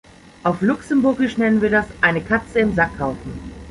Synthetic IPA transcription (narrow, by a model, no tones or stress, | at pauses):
ʔaʊflʊksəmbʊɐɡɪʃnɛnənviːɐdasʔaɪnəkʰat͡səɪmzakhaʊfn̩